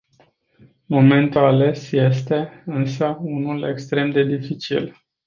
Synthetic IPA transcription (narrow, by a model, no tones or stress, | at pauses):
mo̞me̞nt̪uale̞sje̞st̪e̞ɨnsəunule̞̰kst̪ɾe̞md̪e̞d̪ifit͡ʃḭl